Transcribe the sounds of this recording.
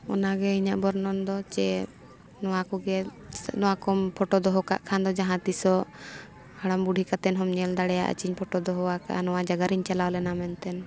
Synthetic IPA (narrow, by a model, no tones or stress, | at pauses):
ɔ̰naɡɛiɲaʔbɔɾnɔnd̪ɔt͡ʃɛ | nɔwakɔɡɛnɔwakɔmpʰɔʈɔd̪ɔɦɔka̰ʔkʰand̪ɔd͡ʒaɦãt̪isɔ | haɽ̃ambuɖʱikat̪ɛnɦɔmɲɛld̪aɽɛja̰ʔə̰t͡ʃiɲpʰɔʈɔd̪ɔɦɔwaka̰ʔnɔwad͡ʒaɡaɾiɲt͡ʃalawlɛnamɛnt̪ɛn